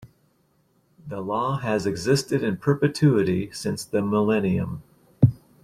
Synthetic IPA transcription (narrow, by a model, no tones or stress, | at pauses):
ðəlɔɨzɨɡzɪstɨɾɨ̃npʰɜ˞pɨtʰʉɨɾisɪ̃nsðɨməlɛniɨ̰̃m